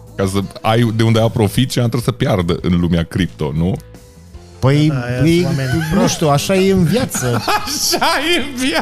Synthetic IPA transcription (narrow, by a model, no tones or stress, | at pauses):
kasəajd̪e̞und̪eapɾo̞fit̪t͡ʃinat̪ɾəsəpjard̪əʔɨnlumeakɾip̚t̪o̞̰nu | pəjpəjnuʃt̪uaʃaje̞ɨnvjat̪səaʃajeɨnvja